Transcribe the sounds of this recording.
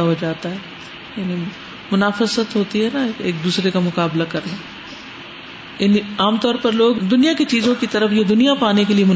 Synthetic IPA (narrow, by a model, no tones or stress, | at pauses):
ɦod͡ʒaːt̪aɦɛː | jaːni | mʊnaːfəsət̪ɦoːt̪iɦɛnaeːkeːk̚d̪uːsɾekamʊkaːblakɐɾna | jɪniaːmt̪ɔːɾpɐɾloːɡd̪ʊnijakit͡ʃiːzõkit̪ɐɾəfjed̪ʊnijapaːnekeliemʊ